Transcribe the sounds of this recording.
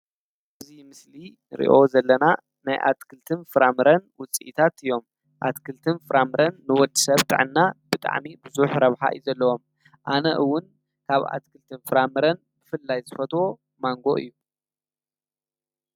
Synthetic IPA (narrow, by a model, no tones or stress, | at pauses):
ʔʔɨzimɨsli | ɾḭʔo̞zɐlːɐna | najʔa̰t̪kʰɨlt̪ʰɨnfɨɾamɨɾɐnwʊt͡sʼiʔit̪ʰat̪ɨjo̞m | ʔat̪kʰɨlt̪ʰɨnfɨɾʔamɨɾɐnːɨwɔld̪ɨsɐβt̪ʼɨ̰ʕɨnːab̥ɨt̪ʼa̰ʕmibɨzuħɾɐβħa̰ʔɨ̰juzɐlːɐwo̞m | ʔanɐʔɨwːʊn | kʰaβa̰t̪̚kʰɨlt̪ʰɨnfɨɾamɨɾɐn | b̥ɨfɨlːajzɨfɐt̪wo̞ | maŋɡo̞ʔɨ̰jːu